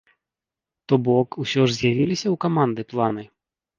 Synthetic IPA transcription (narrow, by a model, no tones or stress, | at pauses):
t̪ɔbɔkusʲɔʐzʲjavʲilʲisʲɐwkamand̪ɨplˠanɨ